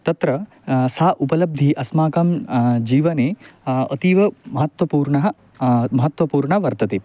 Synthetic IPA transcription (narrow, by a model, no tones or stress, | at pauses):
t̪ɐt̪ɾɐ | saːʔupɐlɐb̚d̪ʱiʔɐsmaːkaːmd͡ʒiːʋɐneːɐ̰t̪iʋɐmɐɦɐt̪ʋɐpuːɾɳɐɦɐ̆ | mɐɦɐt̪ʋɐpuːɾɳɐʋɐɾt̪ɐt̪i